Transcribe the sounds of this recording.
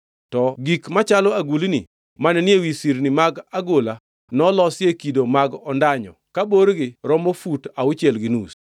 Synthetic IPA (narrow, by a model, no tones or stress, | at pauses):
tɔɡikmat͡ʃalɔaɡulinḭ | manɛnɪewisiɾnimaɡaɡola | nɔlɔsɪekidomaɡɔndaɲɔ̰kaboɾɡɪɾɔmofutaʊt͡ʃjelɡɪnus